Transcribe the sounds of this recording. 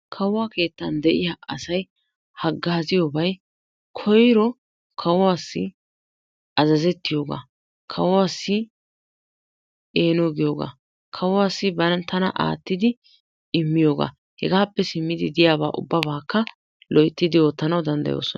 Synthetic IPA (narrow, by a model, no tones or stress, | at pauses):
kʰɐwwaːke̞ːt̪ːɐnd̪ɛʔɪjaːʔɐsɐj | hɐɡːaːzɪjoːbɐj | kʰɔjɾɔ | kʰɐwwaːsːɪ̰ | ɐzɐzɛt̪ːɪjo̞ːɡa̰ː | kʰɐwɔwaːsːɪ | ʔe̞ːnoːɡɪjo̞ːɡa̰ː | kʰɐwɔwaːsːɪbɐnɐnt̪ʰɐnɐ̰ʔa̰ːt̪ːɪd̪ɪ | ɪmːɪjo̞ːɡa̰ː | hɛɡaːpːɛsɪmːɪd̪ɪd̪ɪjaːba̰ːʔʊ̰bːɐbaːkːɐ | lɔjɪt̪ːɪd̪ɪo̞ːt̪ːɐnɐwd̪ɐnd̪ɐ̰jo̰ːsɔn